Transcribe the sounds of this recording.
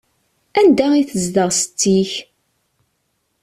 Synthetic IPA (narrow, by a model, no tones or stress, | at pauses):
ænd̪æiθəzd̪əʁsət͡sːiç